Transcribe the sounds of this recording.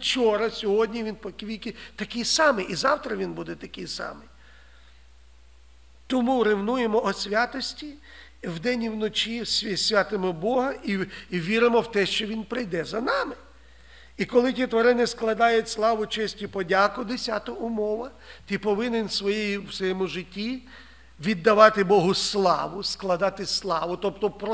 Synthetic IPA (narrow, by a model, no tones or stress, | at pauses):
t͡ʃɔɾɐsʲɔɦɔdʲnʲiʋʲinpɔkʋʲijkɪt̪ɐkijsɑmɪʔizɑwt̪ɾɐʋʲinbud̪ɛt̪ɐkɪjsɑ̰mɪ | t̪ɔmuɾɪwnujemɔːsʲʋʲat̪ɔsʲtʲi | wd̪ɛnʲiwnɔt͡ʃʲisʲsʲʋʲat̪ɪmɔbɔɦɐiʋʲiɾɪmɔwt̪ɛʃt͡ʃɔʋʲinpɾɪjd̪ɛzɐnɑmɪ | ikɔlˠɪtʲit̪ʋɐɾɪnɪsklˠɐd̪ɑjʊtʲslˠɑʋʊt͡ʃɪsʲtʲipɔdʲakʊd̪esʲat̪ɔʊmɔʋɐ | t̪ʲipɔʋɪnenʲsʋɔjɛjiwsɔjɛmʊʒɪtʲːi | ʋʲid̪ːɐʋɑt̪ɪbɔɦʊslˠɑ̰ʋʊsklˠɐd̪ɑt̪ɪslˠɑʋʊt̪ɔp̚t̪ɔpɾ